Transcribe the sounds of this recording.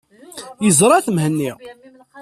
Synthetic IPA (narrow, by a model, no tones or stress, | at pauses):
jəzɾˤɑθəmhənːiʁ